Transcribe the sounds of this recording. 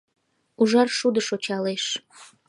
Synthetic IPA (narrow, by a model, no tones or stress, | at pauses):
uʒɑrʃud̪əʃot͡ɕɑleʃ